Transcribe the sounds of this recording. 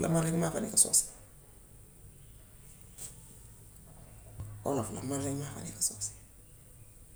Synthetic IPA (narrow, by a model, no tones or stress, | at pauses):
lʔa̰maɾeŋimafanekasɔ̰ːsi̥ | o̰lafla̰maɾd͡ʒeŋimafa̰nekḁsɔsi̥